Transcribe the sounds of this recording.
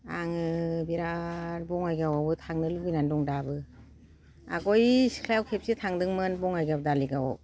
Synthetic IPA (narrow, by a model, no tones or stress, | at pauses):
aŋɯbiɾaɾbɔŋajɡawabɯtʰaŋnɯlubinandɔŋdabɯ | a̰ɡɔjsi̥kʰlajawkʰep̚sitʰaŋdɯŋmɯnbɔŋajɡab̚daliɡawɔ̰